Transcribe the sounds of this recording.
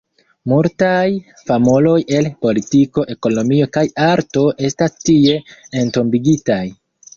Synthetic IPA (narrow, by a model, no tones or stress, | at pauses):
multaj | famolo̞je̞lpo̞litiko̞ʔe̞ko̞no̞mio̞kajaɾto̞ʔe̞stastie̞ento̞mbiɡitaj